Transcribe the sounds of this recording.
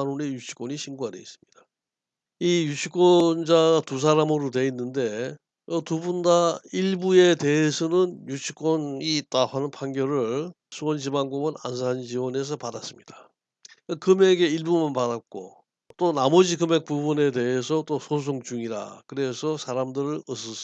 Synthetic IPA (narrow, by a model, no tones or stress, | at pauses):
anune̞jut͡ɕʰi̥k͈oɲiɕʰinɡuade̞̰is͈ɯmɲid̥a | ijut͡ɕʰik͈ʌnd͡ʑaɡatus̬ʰaɾamɯɾote̞inːɯnde̞ | ʌtubundaiɭbue̞te̞ɦesʰʌnɯnjut͡ɕʰik͈wʌniːt̚t͈ahanɯnpʰaŋɡjʌɾɯɭ | sʰuwʌnd͡ʑibaŋɡomɯna̰ns̬ʰand͡ʑiwʌne̞s̬ʰʌpadas͈ɯmɲida | ɯkɯme̞ɡe̞iɭbumanpadat̚k͈o̰ | t͈onamʌd͡ʑikɯme̞k̚p͈ubune̞te̞ɦesʰʌt͈osʰos̬ʰoŋt͡ɕuŋiɾa̰kɯɾe̞sʰʌsʰaɾamdɯɾɯɭʌs̬͈ʌs